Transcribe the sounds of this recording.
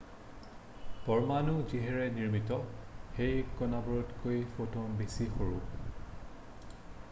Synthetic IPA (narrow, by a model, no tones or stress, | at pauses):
pɔɹmanuziɦɛɹɛniɹmitɔxejkɔnabɔɹɔtkojfotɔnbesixoɹu